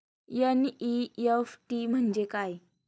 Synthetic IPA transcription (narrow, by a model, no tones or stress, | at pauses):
jəniefʈim̤əɳd͡ʑekaj